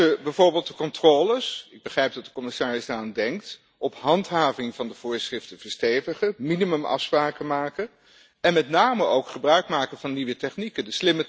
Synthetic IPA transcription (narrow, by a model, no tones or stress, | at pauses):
əbɛjvʊːɹbɪːlˠt̚dəkɔntroːləsɪɡ̚bəχrɛjp̚dɑtdə̥kɔmɪsaːrɪzdaraːndɛŋk̚t | ʔɔpɦɑntɦaːvɪŋvɑndəv̥ʊːɹsrɪftənvəɹstejvəχəminimɵmʔɑ̰fspraːkəmaːkən | ɛnmɛtnaːməʔowkχəbrœɥkmaːkəvɑnːiʋətɛχnikəndəslɪmə